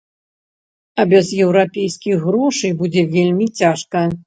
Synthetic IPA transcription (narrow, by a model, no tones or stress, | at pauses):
ɐbʲɛzjɛwɾapʲejskʲiɣɣɾɔʂɨjbud͡zʲɛvʲelʲmʲit͡sʲaʂkɐ